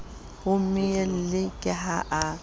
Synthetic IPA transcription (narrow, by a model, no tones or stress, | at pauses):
hʊmɪel̩lɪkʼɪɦaʔa